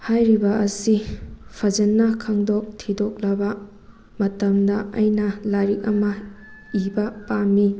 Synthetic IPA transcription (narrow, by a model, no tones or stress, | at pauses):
hajɾibɐʔɐsipʰɐd͡ʒɐnːɐkʰaŋdok̚tʰidok̚lɐbɐ | mɐtɐmdɐɐjnɐlaɾik̚ɐmɐ | ibɐpami